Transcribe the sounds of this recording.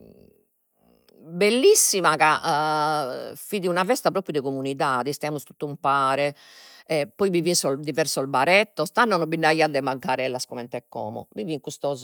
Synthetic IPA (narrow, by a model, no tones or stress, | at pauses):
belːisːimaka | fiðiunavɛst̪apɾoːpɾjud̪ɛkomuniðaːðist̪ɛamust̪u̥t̪ːumpaːɾɛ | ɛpːɔjbivisɔd̪ivɛɾsɔlbaɾɛt̪ːɔst̪anːɔnɔbinːaiad̪ɛmaŋkaɾɛlːaskɔmɛnt̪ɛkːɔ̰ːmɔ̰miviŋkust̪ɔːzɔ